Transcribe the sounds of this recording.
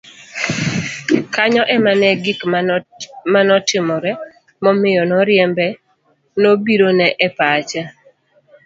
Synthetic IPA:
kaɲɔʔɛmanɛɡɪk | manɔtɪmɔɾɛ | mɔmɪjɔnɔɾjɛmbɛ | nobiɾonɛʔɛpat͡ʃa

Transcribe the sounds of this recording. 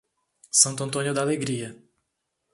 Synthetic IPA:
sɐ̃nt̪ʊɐ̃nt̪õnjʊd̪aleɡɾiɐ

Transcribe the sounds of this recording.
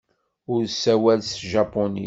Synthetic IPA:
ʊɾsæwælsʒɑpːonḭ

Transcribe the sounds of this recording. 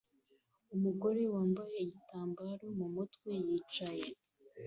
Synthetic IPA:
umuɡo̞ɾe̞waːmbajeɟitaːmbaːɾo̞mumutkwe̞jiːt͡ʃaje

